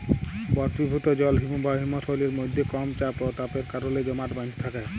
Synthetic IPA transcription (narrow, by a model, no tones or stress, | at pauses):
bɔɾt̪ibʱut̪ɔd͡ʒɔlɦimubʱaɦimɔsɔleɾmojd̪ʱːekɔmt͡ʃapɔt̪apeɾkaɾoled͡ʒɔmaʈbãnd̪ʰi̥t̪ʰakae